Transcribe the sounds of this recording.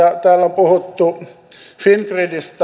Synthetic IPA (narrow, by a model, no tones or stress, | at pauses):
æt̪æːlːompuhut̪ːu | finkridist̪